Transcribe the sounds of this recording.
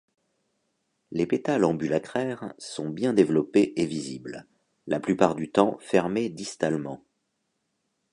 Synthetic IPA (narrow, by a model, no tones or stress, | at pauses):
lepet̪alɑ̃bylak̪χɛʁsɔ̃bjɛ̃d̪evlɔpeʔevizibl | laplypaʁd̪yt̪ɑ̃fɛʁmed̪ist̪almɑ̃